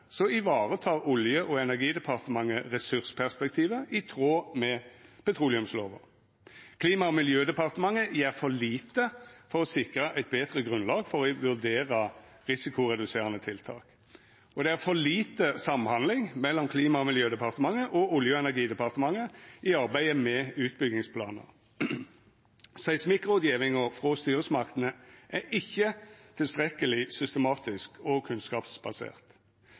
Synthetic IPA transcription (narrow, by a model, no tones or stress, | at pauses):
sɔɪʋɑːʁət̪ʰɑːʁʊljəʔɔɛnæʁɡiːd̪ɛpʰɑʁt̪əmɑŋːəʁɛsʉʁspʰæʁspɛkt̪ʰiːʋəʔɪt̪ʰʁoːmɛpɛt̪ʰʁuːlɪʉmsloːʋə̰ | kʰliːmɑɔmɪljøːd̪ɛpɑʁt̪əmɑŋəʔɪæʁfɔʁliːt̪əfɔʁɔsɪkʁəʔæɪt̪̚beːd̪ʁəɡʁʉnlɑːɡfɔʁɔɪʋʉʁd̪eːʁə | ʁɪsɪkʊʁɛd̪ʉseːʁənət̪ʰɪlt̪ʰɑ̰ːk | ɔd̪ɛæʁfɔʁliːt̪əsɑmhɑnd̪lɪŋmɛlːɔmkʰliːmɑɔmɪljøːd̪ɛpɑʁt̪əmɑŋːəʔɔʊljøːɛnæʁɡiːd̪ɛpɑʁt̪əmɑŋːəɪɑʁbæɪəmɛʉːt̪bʏɡnɪŋspʰlɑ̰ːnə̰ʁ | sæɪsmɪkːʁʊd̪jiːʋɪŋəfʁɔst̪yːʁəsmɑʁkt̪ənəʔæʔɪçːət̪ʰɪlst̪ʁɛkəlɪsʏst̪əmɑːt̪ɪskʰɔkʰʉnskɑːpsbɑsḛːʁt̪